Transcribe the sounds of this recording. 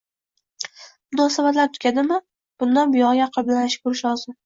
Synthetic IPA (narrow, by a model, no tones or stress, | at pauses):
mʊnɒsabat̪laɾt̪ʰkʲʰad̪ɪmɪ | b̥ʊnd̪anbɪjɒjʲaqʰɨblanaʃɪ̥kʰʊɾɪʃɒzɪ